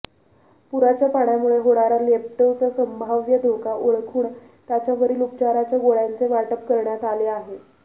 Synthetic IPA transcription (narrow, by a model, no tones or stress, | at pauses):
puɾat͡ɕjapaɽjamuɭeɦoɽaɾalep̚ʈewt͡sasəmbʱaʋjəd̪ʱokaʔoɭkʰuːɳ | t̪jat͡ɕjaʋəɾiːlupt͡ɕaɾat͡ɕjaɡoɭjant͡seʋaʈəpkəɾɳjat̪aleaɦe